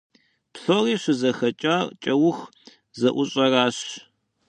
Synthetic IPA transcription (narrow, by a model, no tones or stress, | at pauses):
pɬoriːɕʷʊzɐxɐt͡ʃʼart͡ʃʼɐwʊx | zɐʔʷʊɕʼɐraːɕ